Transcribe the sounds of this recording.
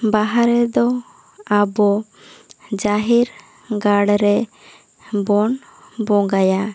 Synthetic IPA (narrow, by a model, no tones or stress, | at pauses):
baɦaɾɛd̪ɔ | abɔ | d͡ʒaɦiɾ | ɡaɽɾɛ | bɔn | bɔ̃ŋɡaja